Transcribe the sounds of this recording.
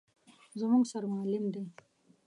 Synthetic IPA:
zamuŋɡsaɾamʊalɪmd̪e

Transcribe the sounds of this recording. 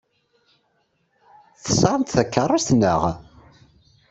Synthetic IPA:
θə̥səɾˤənt̪θækːərˤːast̪nəʁ

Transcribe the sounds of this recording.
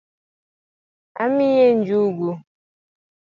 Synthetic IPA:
a̰mijen̩d͡ʒuɡu

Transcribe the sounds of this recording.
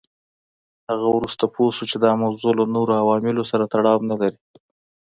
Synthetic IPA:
haɣawɾust̪apʰosut͡ʃed̪ɑmawzolanoɾoawɑmɪlosaɾat̪aɽɑwnalaɾi

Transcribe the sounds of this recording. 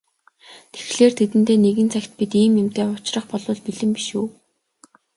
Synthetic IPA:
t̪ʰe̥xɮeːrt̪ʰet̪ɘ̆nt̪eːneɣɘ̆nt͡sʰæxʲt̪̚pit̪iːmjʊmt̪eːʊt͡ɕrə̆χpɔɮʊːɮpiɮɘ̆mpiʃuː

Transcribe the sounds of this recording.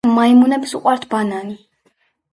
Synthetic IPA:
maimunɛbisuqʼwaɾt̪ʰbanani

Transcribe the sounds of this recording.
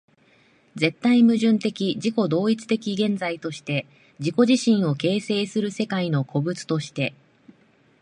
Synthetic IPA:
d͡ze̞t̪ːaimɯ̟ʑɨ̃nt̪e̞kʲid͡ʑiko̞d̪o̞ːit͡sɨ̥t̪e̞kʲiɡẽ̞nd͡zait̪o̞ɕi̥t̪e̞ | d͡ʑiko̞ʑiɕĩɰ̃o̞ke̞ːse̞ːsɨɾɯ̟se̞kaino̞kʰo̞bɯ̟t͡sɨ̥t̪o̞ɕi̥t̪e̞

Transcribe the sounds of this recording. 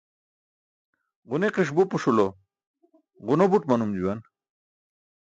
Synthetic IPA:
ʁuneqiʂ̬bupuʂulo | ʁunobuʈmɐnumd͡ʑuwan

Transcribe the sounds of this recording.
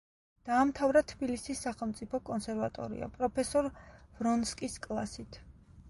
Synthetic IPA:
d̪̥aːmt̪ʰavɾat̪ʰbilisisːaχɛlˠmt̪sʼipʰɔkʼɔnsɛɾvat̪ʼɔ̰ɾḭa̰pʼɾɔpʰɛsɔɾv̥ɾɔnskʼiskʼlˠa̰sit̪ʰ

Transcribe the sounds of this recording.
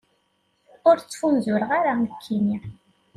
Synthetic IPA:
ʊɾt͡sːfunzʊɾəʁaɾankʰːini

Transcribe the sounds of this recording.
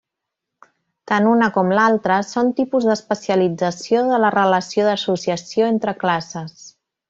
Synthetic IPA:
t̪anunəkɔmlalˠt̪ɾəsont̪ipuzd̪əspəsiəlid͡zəsioðələrələsioðəsusiəsioent̪ɾəklasəs

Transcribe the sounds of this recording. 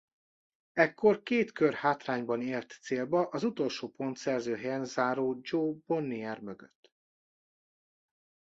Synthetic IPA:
ɛkːo̞rkeːt̪kørhaːt̪raːɲbɒneːlt̪ːseːlbɒʔɒzut̪o̞lʃoːpo̞nt̪sɛrzøːɦɛjɛnzaːɾoːd͡ʒoːb̥o̞nːiɛrmøɡø̰t̪ː

